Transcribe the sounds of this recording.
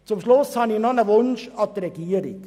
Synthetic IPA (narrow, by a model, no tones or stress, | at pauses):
t͡sʊmʃlʊshɑnɪçnɔnəʋʊnʃɑt̪əɾɛɡ̥iːəɾɪ̰k